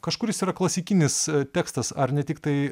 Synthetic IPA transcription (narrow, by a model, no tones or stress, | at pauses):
kɐʃkʊɾjɪsiːɾɐklˠɐsʲɪkʲɪnʲɪst̪ʲæːkst̪ɐsɐrnʲɛt̪ʲɪk̚t̪ɐɪ